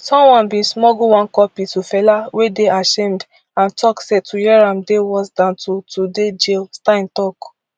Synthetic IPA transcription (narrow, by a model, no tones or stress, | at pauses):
sɔ̃mwãnbĩnsmɔɡuwãnkɔpitufɛlawedeaʃẽmd | ãntʰɔksetujɛɹãmdewɔsdãntutuded͡ʒelstaĩntɔk